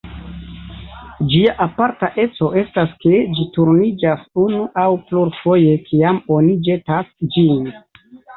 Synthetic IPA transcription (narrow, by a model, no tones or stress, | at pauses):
d͡ʒiaʔapaɾtaʔe̞t͡so̞ʔe̞staske̞d͡ʒituɾnid͡ʒasunuʔawpluɾfo̞je̞kʰiamo̞nid͡ʒe̞tasd͡ʒin